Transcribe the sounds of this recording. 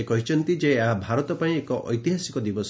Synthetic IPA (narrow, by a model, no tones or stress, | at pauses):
ekɔɦit͡ʃʰɔnt̪id͡ʒeɦãbʱaɾɔt̪ɔpaĩekɔʔɔ̰jt̪iɦasikɔd̪ibɔs